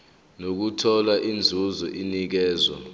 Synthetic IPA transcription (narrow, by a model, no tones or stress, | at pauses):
nok̬utʰɔlaʔind͡zʱuzɔʔinik̬ɛːzwa̰